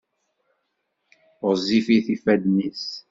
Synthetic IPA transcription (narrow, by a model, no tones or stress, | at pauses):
ɾzifiθifæd̪nis